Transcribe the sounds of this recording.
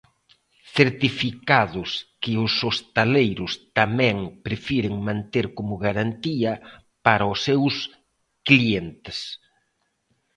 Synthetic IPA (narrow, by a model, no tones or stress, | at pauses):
θeɾt̪ifikaðʊskɪʊsost̪alejɾʊst̪amɛ̃ŋpɾefiɾɪŋmãnt̪eɾkomʊɣaɾant̪iɐ | paɾɐʊsːews | klient̪ɪ̥s